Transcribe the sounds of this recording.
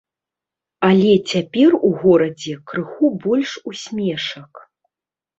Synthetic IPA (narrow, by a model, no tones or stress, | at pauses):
alʲɛt͡sʲapʲɛruɣɔɾɐd͡zʲɛkɾɨxubɔlʲʂusʲmʲɛʂɐk